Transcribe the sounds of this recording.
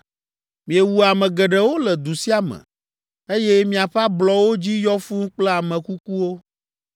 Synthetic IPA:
mĩ˨ɛ˨wu˨a˨mɛ̃˨ɡɛ˨ɖɛ˦wo˦lɛ˨d̪u˨si˦a˨mɛ̰̃˨ | e˦jɛ˦mĩ˨a˨ɸa˦blɔ˨wo˦d͡ʑi˦jɔ˦fu˦ŋ̩˦k͡plɛ˦a˨mɛ̃˨ku˦ku˦wo˦

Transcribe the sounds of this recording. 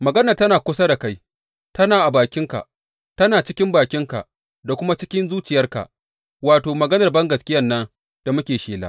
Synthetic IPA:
mɐ˨ɡɐ˦nɐ˨rtɐ˦naː˨kʷʊ˦sa˦da˨ka˦j | tɐ˦naː˨ʔa˨baː˨kʲɪ˦ŋka̰˨ʔ | tɐ˦naː˨t͡ʃɪ˦kʲɪ˦mbaː˨kʲɪ˦ŋka̰˨ʔ | da˨kʷʊ˦ma˦t͡ʃɪ˦kʲɪ˦nzuː˦t͡ʃɪ˨jɐ˦rka̰˨ | waː˨toː˨mɐ˨ɡɐ˦nɐ˨rbɐ˦ŋɡɐ˨skʲɪ˦jɐ˦nːɐ˦n | d̥a˨mʊ˦kʲeː˨ʃeː˨la̰ː˦

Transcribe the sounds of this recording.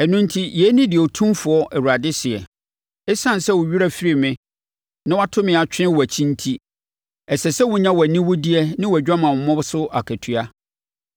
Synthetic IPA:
ɛ˨nʊ̃˦n˦tʰi˦jɛ˨˦nɪ̃˦dɪ˨ɔ˨tʰũ˦mfʊ˨ɔ˦ʔɛ˨wu˨ɾa˨dɪ˦sɪ˨ɛ̰˨ | ɛ˦sã˦n˨sɛ˦wʊ˨ɥi˦ɾæ˦˨fi˦ɾi˦mɪ̃˦ | nɪ̃˦wa˦tʰʊ̃˦mɪ̃˨a˨t͡ɕᶣɪ̃˦wɔ˨æ˨t͡ɕʰĩ˦n˦tʰi˦ | ɛ˨sɛ˨sɛ˦wʊ̃˨ɲã˦wɔ˨æ˨nĩ˦wʊ˦di˦ɛ˦nɪ̃˦wɔ˨æ˨d͡ʑᶣa˦mã˨mɔ˨mɔ̃˦bsʊ˦ʔa˨kʰæ˨tʰu˨a˦

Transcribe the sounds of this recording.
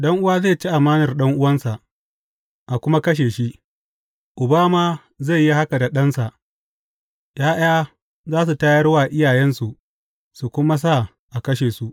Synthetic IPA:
ɗɐ˦ŋʔʊ˦waː˦zeː˦˨t͡ʃi˦ʔa˨maː˦nɐ˨rɗɐ˦ŋʔʊ˦wɐ˦nsa˨ʔ | ʔa˨kʷʊ˦ma˦kɐ˦ʃ̬eː˨ʃi˦ | ʔʊ˨baː˦maː˨ | ze˦˨jːi˦ha˦ka˨da˨ɗɐ˦nsa˨ʔ | jaː˦ʔaː˦ | zaː˦s̬u˨ta˦jɐ˦rwaː˨ʔɪ˦jaː˨jɛ˦nsu˨ʔ | su˨kʷʊ˦ma˦s̬a˦˨ | ʔa˨kɐ˦ʃeː˨su˨ʔ

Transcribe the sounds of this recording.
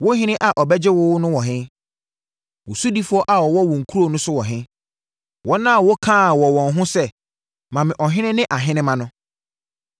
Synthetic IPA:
wʊ˦ɦɪ̃˦nɪ̃˦ʔa˨ʔɔ˨bɛ˦d͡ʑɪ˦wʊ˦wnʊ̃˦wɔ˨ɦɪ̃˦ | wʊ˨su˦di˦fʊ˦ɔ˦ʔa˨ɔ˨wɔ˦wɔ̃˨ŋ̩˨kʰu˦ɾo˦˨nʊ̃˦sʊ˦wɔ˨ɦɪ̃˦ | wɔ˦nã˦˨wɔ˦kʰã˦˨wɔ˨wɔ̃˨n˨ɦʊ̃˦sɛ˦ | mã˨mɪ̃˨ʔɔ˨ɦɪ̃˦nɪ̃˦nɪ̃˦ʔa˨ɦɪ̃˦nɪ̃˦mã˨nʊ̃˦

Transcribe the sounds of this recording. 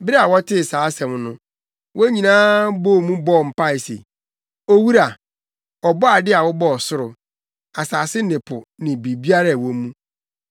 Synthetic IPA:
bɾɛ˦a˨wɔ˦tʰɪ˦˨saː˨˦sɛ̃˨mnʊ̃˦ | wʔɔ˦ɲĩ˨nãː˦bo˦˨mũ˦bɔ˦˨m̩˨pa˦˨ɪ˨sḛ˨ | o˦wu˦ɾa˨ | ɔ˨bɔ˦a˨dɪ˦a˨wɔ˦bɔ˦ɔ˨sʊ˦ɾʊ˨ | a˨saː˨sɪ˦nɪ̃˨pʰʊ˨nɪ̃˨bi˨bi˦a˦ɾa˦˨wɔ˦mũ˦

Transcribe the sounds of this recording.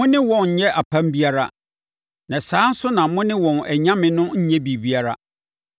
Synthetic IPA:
mʊ̃˦nɪ̃˦wɔ̃˨nɲ̩˨ɲɛ˦ʔa˨pʰã˦mbi˦a˦ɾa̰˨ | nã˨saː˨˦n̩˦sʊ˦nã˨mʊ̃˦nɪ̃˦wɔ̃˨nɛ˨ɲã˦mɪ̃˦nʊ̃˦ɲ̩˦ɲɛ̃˦bi˨bi˨˦a˦ɾa̰˦

